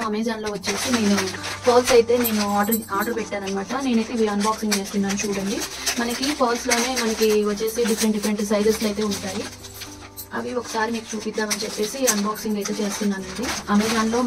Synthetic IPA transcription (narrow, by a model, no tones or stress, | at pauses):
ɐmeːd͡ʒaːnlo̞ːʋɐt͡ʃːe̞ːsine̞ːnupʰoːlsɐjt̪e̞ːne̞ːnuaːɖɐɾaːɖɐɾpɛʈːaːɾɐnimaːʈɐne̞ːnɐjt̪eʋiːɐnbaːksiŋɡt͡ʃe̞ːst̪unːaːnit͡ʃuːɽɐɳɖimɐnɐkipʰoːlslo̞ːne̞ːmɐnɐkiʋɐt͡ʃːe̞ːsiɖipʰɐɾeɳʈɖifʰɾeɳʈsɐjd̪ɐɾslɐjt̪e̞ːuɳʈaːji | ɐʋiɔkɐ̥saːɾimiːku̥t͡ʃuːpid̪ːaːmɐnit͡ʃepːe̞ːsiɐnbaːksiŋɡɐjt̪e̞ːt͡ʃe̞ːst̪unːaːnɐɳɖiɐmeːd͡ʒaːnlo̞ː